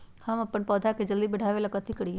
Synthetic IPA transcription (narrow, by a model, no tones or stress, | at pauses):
həməpːənpɔːd̪ʱaːked͡ʒəld̪iːbəɽʱaːʋeːlakət̪ikəɽi